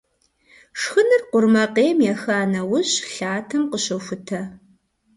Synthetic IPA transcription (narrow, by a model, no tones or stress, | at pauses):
ʂxɨnɨrqʷʊrmɐqeːmjɛxaːnɐwʊɕɬaːtʰɐmqəɕɐwxʷʊtʰɐ